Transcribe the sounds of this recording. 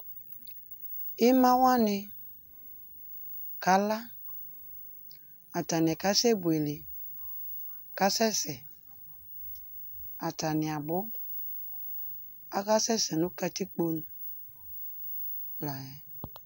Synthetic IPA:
ɪ˦mã˦wa˦nɪ˧ | ka˨˦la˦ | a˨ta˨nɪ˨ɛ˨ka˦sɛ˦bwe˨li˨ | ka˦sɛ˦sɛ˨ | a˨ta˨nɪ˨a˨bʊ˦ | a˦ka˦sɛ˦sɛ˨nũ˦ka˦ti˦k͡po˦nu˨ | la˨ɛ˨

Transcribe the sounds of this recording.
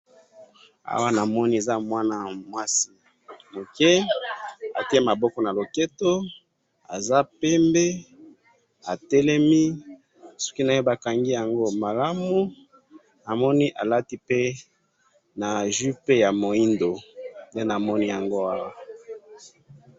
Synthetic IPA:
a̰˦wa˦na˨mɔ˦ni˦e˨za˦mwa˦na˨mwa˦si˨ | mo˨kɛ˦ | a̰˨ti˦e˦ma˨bɔ˦kɔ˦na˨lo˨ke˦to˦ | a̰˨za˦pɛ˦mbe˦ | a˨tɛ˦lɛ˦mi˦ | sɔ̥˦ki˦na˨jo˦ba˨ka˨ŋɡi˦ja˨ŋɡo˦ma˨la˦mu˦ | na˨mɔ˦ni˦ʔa˨la˦ti˦pe˦ | na˨ʒu˦pe˦ja˨mo˨i˦ndo˨nde˦na˨mɔ˦ni˦ja˨ŋɡo˦a˦wa˨

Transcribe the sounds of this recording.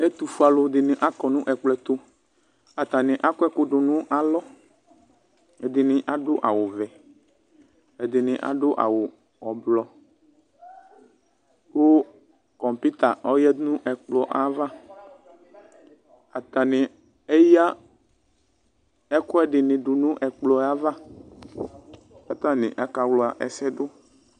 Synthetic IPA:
ɛ˦t̪u˨fu˦a˨lʊ˨d̪ɪ˨nɪ̃˨ʔa˦kɔ˨nʊ̃˦ʔɛ˨k͡plɛ˦t̪ʊ˦ | a˨t̪a˨nɪ̃˨ʔa˦kʊ˦ɛ˦kʊ˦ɖʊ˨nʊ̃˦ʔa˨lɔ˦ | ɛ˨d̪ɪ˨nɪ̃˨ʔa˨ɖʊ˦ʔa˨wʊ˨vɛ˨ | ɛ˨d̪ɪ˨nɪ̃˨ʔa̰˨ɖʊ˦ʔa̰˨wʊ˨ | ɔ˨blɔ˨ | ko˦ | kɔ̃˨m˨pi˦t̪a˨ɔ˦jɛ˦nũ˦ʔɛ˨k͡plɔ˨ʔa˨˦va˦ | a˨t̪a˨nɪ̃˨ | e˦ja˦ | ɛ˦kɔ˦ɛ˦ɖɪ˨nɪ̃˨ɖu˨nũ˦ʔɛ˨k͡plɔ˦a˦va˦ | ka˨t̪ã˦nɪ̰̃˨ʔa˦ka˨wlɔ˨˦a˨ʔɛ̰˨sɛ˦do˦

